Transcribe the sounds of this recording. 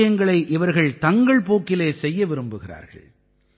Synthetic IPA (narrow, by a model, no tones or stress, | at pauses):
jɐŋɡɐɭɐɪʔɪʋɐɾɣɐɭt̪ɐŋɡɐɭpoːkːɪleːsɛjːɐʋɪɾɯmbɯɣɪra̰ːɾɣɐ̰ɭ